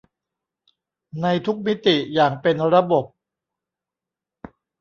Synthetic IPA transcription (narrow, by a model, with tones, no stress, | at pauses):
na˧jt̪ʰu˦˥k̚mi˦˥t̪i˨˩jaː˨˩ŋpe˧nɾa˧bo˨˩p̚